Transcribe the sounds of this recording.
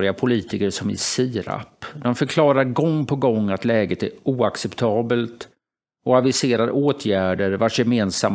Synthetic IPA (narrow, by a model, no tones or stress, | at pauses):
ɾɪapʰʊliːt̪ɪkəʂɔmɪ̰siːɾa̰pd̪ɔnfœɾkʰlɑːɾaɾɡɔŋːpʰɔɡɔŋːat̪lɛːɡət̪æɾuːaksɛpt̪ʰɑːbəlt̪ | ɔavɪseːɾaɾʔoːt̪ʰjæːɖəɾvaʂjɛmeːnsam